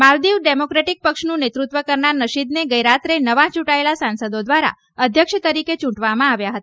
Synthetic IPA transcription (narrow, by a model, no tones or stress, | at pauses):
mald̪iʋɖemokɾeʈik̚pəkʃnũnet̪ɾut̪ʋəkəɾɳanəʃid̪neɡəjɾat̪ɾenəʋãt͡ʃuʈaelasãnsəd̪od̪ʋaɾa̰ | əd̪ʱjəkʃət̪əɾiket͡ʃũʈʋamãaʋjaɦət̪a